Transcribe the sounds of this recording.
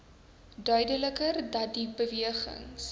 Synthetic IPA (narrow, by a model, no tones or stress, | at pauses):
dœɥdələkərdɐt̚dibəviəχə̰ŋs